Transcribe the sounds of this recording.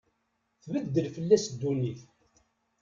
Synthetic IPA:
θvəd̪ːəlfəlːæsd̪ːuniθ

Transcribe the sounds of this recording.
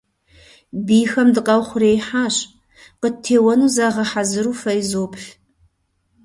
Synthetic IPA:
biːxɐmdɨqʼɐwχʷʊreːjħaːɕ | qətʰeːwɐnuːzaːʁɐħazɨɾuːfɐjzoːpʰɬ

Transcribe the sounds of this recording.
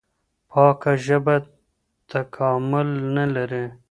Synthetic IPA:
pʰɑːkaʒəba | t̪akʰɑːmʊlnalaɾi

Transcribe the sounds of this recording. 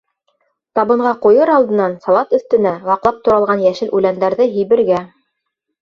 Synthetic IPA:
t̪ɑβɤ̆ɴʁɑqujɤɾɑlˠd̪ɤ̆nɑnsɑlˠɑt̪ɵ̆θt̪ɘ̆næwɑqlˠɑp̚t̪ŏɾɑlˠʁɑnjæʃɘlʔʉlænd̪æɾðɤɦĭjβɘ̆ɾɡæ

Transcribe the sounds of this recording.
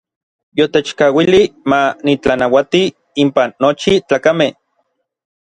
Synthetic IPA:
jot̪et͡ʃkawilimanit͡ɬanawat̪i | impanːot͡ʃit͡ɬaːkameh

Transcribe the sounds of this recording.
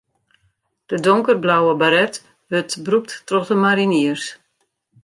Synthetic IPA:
d̥ədɔŋkərblawəbaɾɛt | ʋøtbrup̚tːrɔxdəmaɾiniərs

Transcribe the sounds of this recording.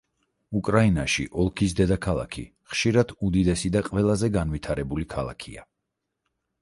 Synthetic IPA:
ukʼɾainaʃḭʔɔlˠkʰisd̪ɛd̪akʰalˠa̰kʰḭ | χʃiɾad̪̥ud̪id̪ɛsid̪aqʼvɛlˠazɛɡanvit̪ʰaɾɛbulikʰalˠa̰kʰḭa̰

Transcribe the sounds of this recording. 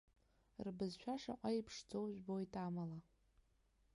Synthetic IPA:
rbɨzʃᶣaʂa̰qʷʼaipʰʂd͡zowʒʷᶣbo̞jtʼamala

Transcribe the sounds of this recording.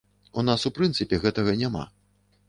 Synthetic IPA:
unasupɾɨnt̪sɨpʲɛɣɛt̪ɐɣɐnʲama̰

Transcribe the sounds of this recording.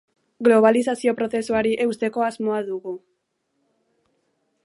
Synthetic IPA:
ɡloβ̞aliθaθjopɾoθeswaɾiʔeust̪ekoazmoaðuɣu

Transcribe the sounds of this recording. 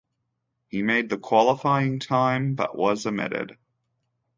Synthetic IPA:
himeɪd̪̚ðɨkʰw̥ɑlˠəfaɪɪ̃ŋtʰãɪ̃mbʌ̰ʔwʌzɨmɪ̰ɾɪ̰d̥

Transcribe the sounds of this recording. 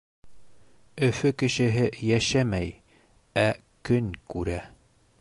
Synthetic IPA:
ɵ̆fɵkɘ̆ʃɘ̆ɦɘjæʃæmæj | æ | kɵnkʉɾæ

